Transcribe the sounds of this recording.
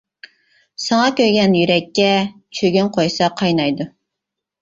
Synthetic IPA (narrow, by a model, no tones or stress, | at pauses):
sɑŋɑkʲøɾɡʲɛnjyɾɛkʲːɛ | t͡ʃʰøɡʲynqʰojsɑqʰɑjnɑjd̪u